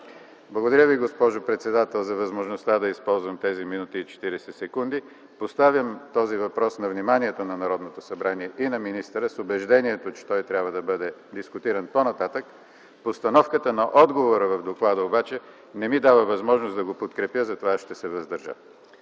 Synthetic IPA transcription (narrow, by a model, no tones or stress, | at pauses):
blˠɐɡod̪ɐɾʲəviɡospɔʒopɾɛt̪sɛd̪at̪ɛlˠzɐvɐzmoʒnost̪ad̪ɐispɔlˠzvɐmt̪ɛziminut̪iːt͡ʃɛ̥t̪iɾɛsɛsɛkund̪i | post̪avjəmt̪ɔzivɐpɾɔsnɐvnimaniɛt̪onɐnɐɾɔd̪not̪osɐbɾaniɛʔinɐminist̪əɾəsʊbɛʒd̪ɛniɛt̪ot͡ʃɛ̥t̪ɔjt̪ɾʲabvəd̪ɐbɤd̪ɛd̪iskʊt̪iɾənponɐt̪at̪ək | post̪ɐnɔfkət̪ənɐʔɔd̪ɡovoɾəvɐvd̪oklˠad̪əobat͡ʃɛ | nɛmid̪avəvɐzmɔʒnosd̪ɐɡopot̪kɾɛpjəzɐt̪ovaʃt̪ɛsɛvɐzd̪ɐɾʒə̰